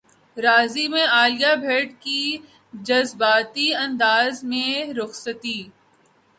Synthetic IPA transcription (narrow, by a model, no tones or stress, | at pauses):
ɾaːzimẽaːljabʱeːɖki | d͡ʒɐzbaːt̪iɐ̃nd̪aːzmẽɾʊxsət̪iː